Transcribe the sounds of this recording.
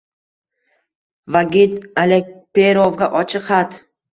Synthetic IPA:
vaɡʲit̪alek̚ʲpeɾovɡʲaʔɒt͡ʃʰɨqʰat̪

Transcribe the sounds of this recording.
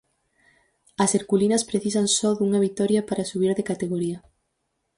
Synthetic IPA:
ɐseɾkulinɐspɾeθisɐŋsɔðuŋɐβit̪ɔɾjɐpaɾasuβiɾðekat̪eɣoɾiɐ

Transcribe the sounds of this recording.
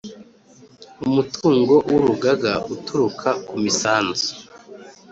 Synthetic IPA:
umutʰuːŋɡo̞wʔuɾuɡaɡautʰuɾukʰakumisaːnzu̥

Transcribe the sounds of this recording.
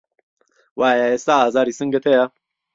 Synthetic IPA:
wʔaːjaeːst̪aaːzaːɾisɨŋɡɐt̪ʰeja

